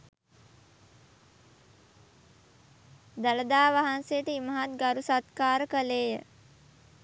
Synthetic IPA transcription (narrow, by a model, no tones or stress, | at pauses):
d̪aləd̪aːʋaɦansejəʈəiməɦat̪ɡaɾusat̪kaːɾəkəleːjə